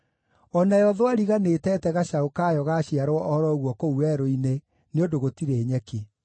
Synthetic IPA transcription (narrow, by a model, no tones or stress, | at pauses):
ɔnajɔðwaɾiɣanetɛtɛɣaʃaokaːjɔɣaɕiaɾoɔɔɔɾɔɣwɔkouɛɾoine | neondoɣotiɾeːɲɛke